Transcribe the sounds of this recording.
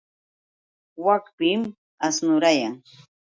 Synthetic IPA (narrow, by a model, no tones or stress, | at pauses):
wakpɪm | asnʊɾajaŋ